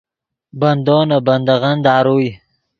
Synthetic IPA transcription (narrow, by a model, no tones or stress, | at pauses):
bɐnd̪oːnabɐnd̪aɣand̪ɑːɾuj